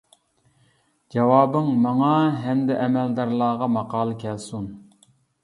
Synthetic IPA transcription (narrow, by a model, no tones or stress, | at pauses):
d͡ʒɑwɑːbɨŋmɑŋɑɦɛmd̪ɪʔɛmɛld̪ɑɾlˠɑːʁɑmɑqɑːlˠɨkʲʰɛlsun